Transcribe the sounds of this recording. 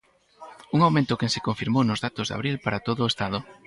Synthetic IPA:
uŋawmẽnt̪ʊkesɪkoɱfiɾmownʊzðat̪ʊzða̰βɾilpaɾat̪oðʊːest̪að̞ʊ

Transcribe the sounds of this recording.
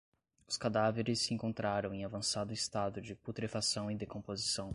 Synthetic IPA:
ʊskad̪aveɾɪsɪẽŋkõnt̪ɾaɾɐ̃w̃ẽavɐ̃sad̪ʊɪst̪ad̪ʊd͡ʒɪput̪ɾefasɐ̃w̃ɪd̪ekõpozisɐ̃w̃

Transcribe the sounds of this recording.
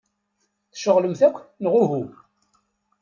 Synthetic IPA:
θʃəʁləmθækʷːnəʁʊɦu

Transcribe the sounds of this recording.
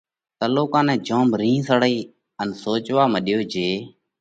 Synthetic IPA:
t̪əloːkãːnɛ̃ːd͡ʒõːmɾĩːsəɽəiː | ənsoːt͡ʃʋaːməɗɪjoːd͡ʒeː

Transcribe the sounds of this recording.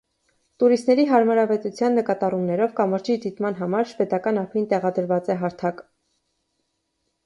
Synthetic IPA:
t̪uɾist̪nɛɾiɦɑɾmɑɾɑvɛt̪ut͡sʰjɑnːəkɑt̪ɑrumnɛɾɔvkɑməɾd͡ʒid̪it̪mɑnɦɑmɑɾʃvɛt̪ɑkɑnɑpʰvint̪ɛʁɑd̪əɾvɑt͡sɛɦɑɾt̪ʰɑk

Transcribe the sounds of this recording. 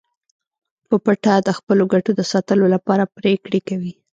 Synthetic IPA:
pəpaʈad̪əxpəloɡaʈod̪əsɑt̪əlolapɑɾapɾekɽekawi

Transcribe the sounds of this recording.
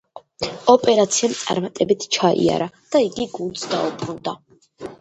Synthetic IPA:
ɔpʼɛɾat̪sʰiamt̪sʼa̰ɾmat̪ʼɛbit̪ʰt͡ʃʰaḭa̰ɾa | d̪̥aiɡiɡund̪sd̪aupʼɾund̪a

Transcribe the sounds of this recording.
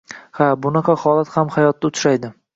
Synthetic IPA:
habʊnɑqʰɑhɒlˠat̪hamhajɒt̪̚ːaʊt̪ʰʃajd̪ɪ

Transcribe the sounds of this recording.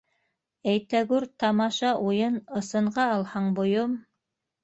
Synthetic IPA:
æjt̪æɡʉɾt̪ɑmɑʃɑʔujɤnɤ̆sɤ̆ɴɢɑːlˠhɑɴbŏjom

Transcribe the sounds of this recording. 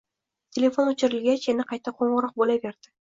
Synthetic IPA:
t̪ʲʰelʲe̞fo̞nɵt͡ʃɪɾɪlɡʲat͡ʃenɪqʰɑjt̪aqʰoɴʁəɾɒq̚bolabeɾd̪ɪ

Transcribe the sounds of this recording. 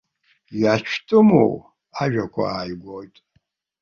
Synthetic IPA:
jat͡ʃʰtʰʼɨmo̰w | aʒᶣakʷʰa̰aːjɡʷojtʼ

